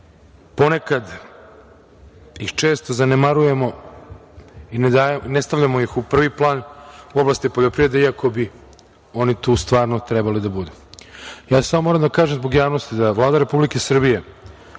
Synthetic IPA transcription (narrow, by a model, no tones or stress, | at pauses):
po̞nekad̪ | ixt͡ʃeːst̪ozanemaɾuje̞mo̞ | ined̪anest̪aʋʎamo̞jixupr̩ʋiplˠaːnuoblˠast̪ipoʎopɾiʋɾed̪eiako̞bi | o̞nit̪uːst̪ʋaːɾnot̪ɾɛbalid̪abud̪u | jaːsamomoɾamd̪akaːʒemzbo̞ɡjaːʋnost̪id̪aʋlˠaːd̪aɾe̞publike̞sr̩bije